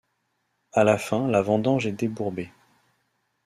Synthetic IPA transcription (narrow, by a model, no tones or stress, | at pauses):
alafɛ̃lavɑ̃d̪ɑ̃ʒɛd̪ebuʁbe